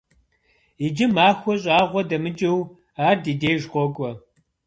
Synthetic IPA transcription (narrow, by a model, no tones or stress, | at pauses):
id͡ʒɪmaːxʷɔɕʼaːʁʷɔdɐmɨt͡ʃʼɪw | aːrdiːdeːjʒqʷɔkʷʼɔ